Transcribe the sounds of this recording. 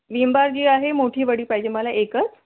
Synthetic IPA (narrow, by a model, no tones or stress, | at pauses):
ʋimbaɾd͡ʑiːaɦemoʈʰiːʋəɽiːpaid͡ʑeməlaʔekət͡s